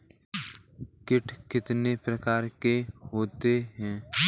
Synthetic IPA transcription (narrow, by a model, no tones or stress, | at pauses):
kɪʈʰkɪt̪nepɾɐkaːɾkeɦoːt̪eɦɛ̃ː